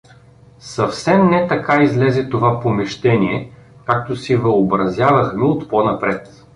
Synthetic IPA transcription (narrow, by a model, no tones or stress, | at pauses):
sɐfsɛmnɛt̪ɐkaizlɛzɛt̪ovapomɛʃt̪ɛniɛkak̚t̪osɛvɐobɾɐzʲjavɐxmɛot̪ponɐpɾɛt̪